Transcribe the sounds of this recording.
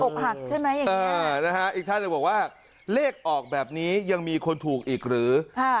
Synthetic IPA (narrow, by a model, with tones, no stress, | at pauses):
po˨˩k̚ɦa˨˩k̚t͡ɕʰa˥˩jma˦˥jːa˨˩˨ɤː˦˧˦na˦˥kʰa˦˥ʔiː˨˩k̚t̪ʰa˥˩nː˨ɯː˧˩bɔː˨˩kwaː˥˩ | leː˥˩k̚ʔɔː˨˩k̚bɛː˨˩p̚niː˦˥ja˧ŋmiː˧kʰo˧nt̪ʰuː˨˩k̚ʔiː˨˩k̚ɾɯː˩˦kʰa˥˩